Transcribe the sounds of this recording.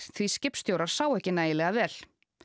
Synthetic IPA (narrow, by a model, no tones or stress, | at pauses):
θviscɪpst̪jowɾaɾ̥saːwɛhcɪnaːjɪlɛɣavɛːl